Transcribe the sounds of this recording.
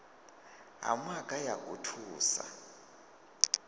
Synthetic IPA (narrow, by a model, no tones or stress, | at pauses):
ɦa̰makʼajakʼutʰuːsa̰